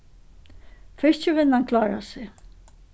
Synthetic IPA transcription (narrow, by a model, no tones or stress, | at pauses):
fɪʂt͡ɕɪʋɪnːankʰlaːɾa̰sɪ